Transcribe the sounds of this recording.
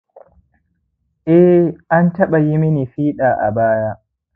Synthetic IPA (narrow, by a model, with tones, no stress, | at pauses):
ʔɛ˦ʔa˦ntɐ˦ɓa˨ji˦mɪ˦ni˨ɸiː˦ɗaː˨ʔa̰˨baː˦ja˦ʔ